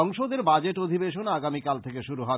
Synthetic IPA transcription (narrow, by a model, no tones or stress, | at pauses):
ɔŋʃod̪eɾbad͡ʑeʈod̪ʱibeʃonaɡamikalt̪ʰekeʃuɾuɦɔ